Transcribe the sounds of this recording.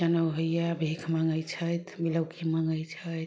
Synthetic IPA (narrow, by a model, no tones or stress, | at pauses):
d͡ʒənəwɦəjjabʱekʰmaŋɡəjt͡ʃʰəjt̪ʰmiləwkʰimaŋɡəjt͡ʃʰəjt̪